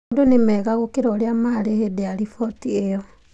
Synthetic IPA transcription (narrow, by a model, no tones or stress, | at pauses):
ndonemɛɣaɣokeɾaoɾeamaɾehedeaɾifɔtiejɔ